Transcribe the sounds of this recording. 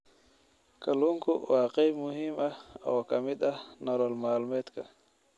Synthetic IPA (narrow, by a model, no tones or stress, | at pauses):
kaluŋkuwaːqɛmuɦimaa̰wakamid̪anɔɾɔlmaːlmɛt̪ka